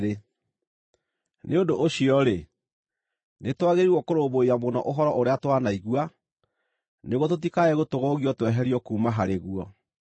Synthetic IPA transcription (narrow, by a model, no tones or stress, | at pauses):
ɾe | neondoʔːɕiɔɾe | netwaɣeɾiwɔkoɾoboiamonɔ̰ʔoɦɔɾɔʔoɾeatwanaiɣwa | neɣot̬ot̬ikaɛɣotoɣɔɣiɔtwɛɦɛɾiɔkuːmaɦaɾeɣuɔ